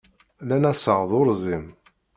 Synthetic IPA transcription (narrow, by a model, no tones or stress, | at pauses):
lænæsəʁðˤʊɾzim